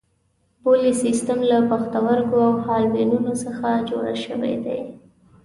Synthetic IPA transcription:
polisist̪amlapaxt̪awaɾkoawhɑlbenunosəxad͡ʒoɽa̰ʃəwḛd̪ḛj

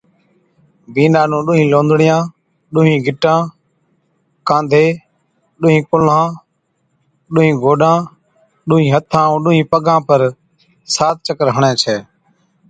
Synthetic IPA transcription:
biːnaːnũːɗʊːɦĩːlõːnd̪ʱɽɪjãː | ɗʊːɦĩːɡʱɪʈãː | kãːnd̪ʱeː | ɗʊːɦĩːkʊlãː | ɗʊːɦĩːɡʱoːɗãː | ɗʊːɦĩːɦət̪ʰãːũːɗʊːɦĩːpəɡãːpəɾ | saːt̪̚t͡ʃəkəɾɦəɳɛ̃ːt͡ʃʰɛː

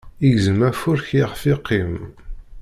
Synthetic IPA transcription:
iʝzəmæfʊɾçiʁfiqʰːim

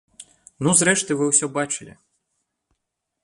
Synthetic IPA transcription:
nuzɾɛʃt̪ɨjʋɪwsʲɔbat͡ʃɪlʲḭ

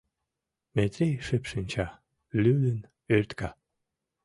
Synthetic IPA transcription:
met̪ɾʲejʃepʃinʲt͡ɕa | lylən | ørt̪kɑ

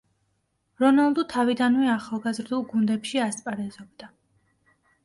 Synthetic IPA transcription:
ɾɔnalˠd̪ut̪ʰavid̪anvɛaχalˠɡazɾd̪ulˠɡund̪ɛpʃiast̪ʼpʼaɾɛzɔbd̪a

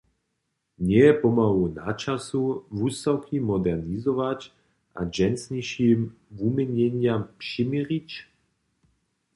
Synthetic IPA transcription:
ɲɛɛpɔmalunat͡ʃasuvust̪awkʰimɔd̪ɛrnizɔvac | ʔa̰d͡ʒɛnsɲiʃimvumɛɲɛɲjampʂimɛɾic

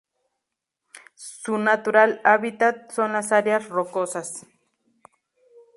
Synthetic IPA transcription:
sunat̪uɾalaβit̪at̪̚sonasaɾjaɾrokosas

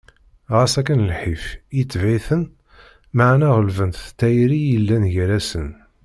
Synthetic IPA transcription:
ʁæsækːənlħifjit͡sːvæjθən | maʕnæʁəlvənt̪t̪ːæjɾijəlːænʝæɾæsən

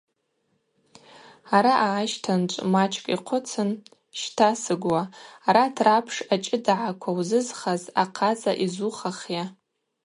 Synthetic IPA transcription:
aɾaʔaːʃtʰant͡ʃʷʼmat͡ʃʰʼkʼiqʷʰʊt͡sʰɨn | ʃtʰasɨɡwaːɾatʰrapʰʂat͡ʃʼɪdʕakʷʰawzɨzχazaqʰat͡sʼa̰ʔizuχaχja

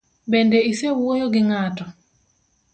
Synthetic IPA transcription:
bendeisewojoɡɪŋatɔ

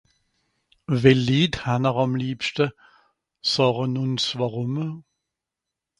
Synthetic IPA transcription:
vɛlːiːdhanəʁɑmliːpstə | sɔːʁənʊnsvaʁʊm

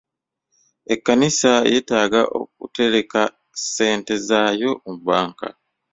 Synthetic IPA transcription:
ekːanisaje̞ːtaːɡaʔo̰k̚ṵte̞ɾe̞ka | se̞ːnte̞zaːjo̞muβaːŋka̰

